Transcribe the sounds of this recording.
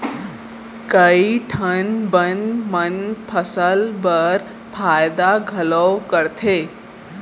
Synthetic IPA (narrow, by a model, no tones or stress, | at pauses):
kəiʈʰənbənmənpʰəsəlbəɾ | fʰajd̪aɡʱələwkəɾt̪ʰe